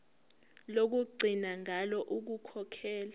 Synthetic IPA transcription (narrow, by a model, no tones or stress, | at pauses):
lok̬uɡ͡ǀʱinaŋʱalɔʔuk̬ukʰɔkʰɛːla